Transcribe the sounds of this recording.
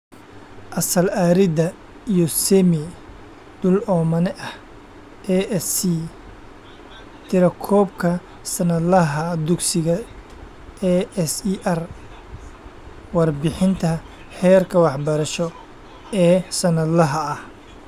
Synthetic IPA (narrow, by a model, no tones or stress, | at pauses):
ʔɐsɐlaːɾɪd̪ɐ | ijɔsɛmɪ | d̪̥ʊlɔːmɐnɛʔɐh | ɛɛsi | t̪ʰɪɾɐkʰɔːbkʰɐ | sɐnɐd̪lɐɦɐd̪ʊɡsɪɣɐ | ɛɛsiʔɐr | wɑrbɪħɪnt̪ʰɐ | ħɛːrkʰɐwɑħbɐɾɐʃɔ | ɛːsɐnɐd̪lɐɦɐːh